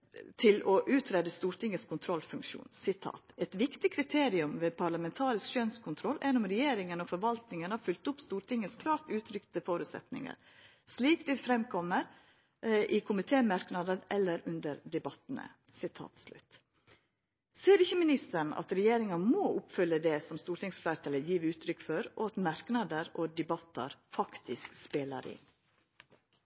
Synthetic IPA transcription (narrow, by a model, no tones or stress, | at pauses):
t̪ʰɪlɔʔʉːt̪ʰɾeːd̪əst̪uːɾʈ̪ʰɪŋːəskʰʊnt̪ʰɾɔlfʉŋkʂṵːnsɪt̪ʰɑ̰ːt̪ɛt̪ʋɪkt̪ɪkʰɾɪt̪ʰeːɾɪʉmʋeːpʰɑɾɭɑmɛnt̪ʰɑːɾɪskʃœnskʰʊnt̪ʰɾɔlːʔɛnːʊmɾɛjeːɾɪŋənɔfɔɾʋɑlt̪nɪŋənhɑɾfʉlt̪ʊpst̪uːɾʈ̪ɪŋəskʰlɑːɾt̪ʉːt̪ʰɾʏkt̪əfoːɾʉːt̪sɛ̰t̪nɪ̰ŋə̰ɾ | sliːkt̪ʰɪlfɾɛmkʰɔmːəɾ | ʔɪkʰʊmɪt̪ʰeːmɑɾknɑd̪əɾʔɛlːəɾʉnd̪əɾd̪ɛbɑt̪ənə̰ | sɪt̪ʰɑ̰ːt̪slʉ̰t̪ | seːɾɪçːəmɪnɪst̪əɳɑ̰t̪ɾɛjeːɾɪŋɑmɔːʔʊpfʏlːəd̪ɛsɔmst̪uːɾʈ̪ɪŋsflæːɾt̪ʰɑːləjiːʋʉːt̪ʰɾʏkːfɔɾʔɔɑt̪mɑɾknɑd̪əɾɔd̪ɛbɑt̪ːɑ̰ɾfɑkt̪ʰɪskspeːlə̰ɾɪ̰n